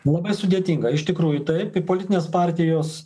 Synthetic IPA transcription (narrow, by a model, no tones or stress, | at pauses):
lˠɐbɐɪsʊd̪ʲeːt̪ʲiːŋɡɐɪʃt̪ʲɪkɾuːjʊt̪ɐɪpɪpoːlʲɪt̪ʲɪnʲeːspɑːɾʲt̪ʲɪjoːs